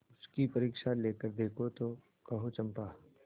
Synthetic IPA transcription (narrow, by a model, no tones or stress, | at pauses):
ʊskipɐɾiːkʃaleːkəɾd̪eːkʰot̪o | kɐɦot͡ʃɐ̃mpaː